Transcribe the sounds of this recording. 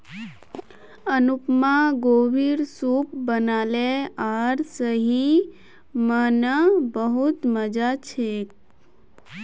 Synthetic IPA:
ənupmãɡoːbiɾsup̚bənaːleaɾsəɦi | mənəbəɦut̪məd͡ʒat͡ʃʰek̚

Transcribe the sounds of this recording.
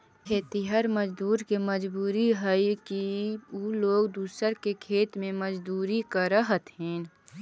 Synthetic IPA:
kʰeːt̪iɦəɾməd͡ʒd̪uːɾkeməd͡ʒbuːɾiɦəikiuloːɡd̪uːsəɾkekʰeːt̪mẽməd͡ʒd̪uːɾikaɾəɦət̪ɦɛ̃ːn

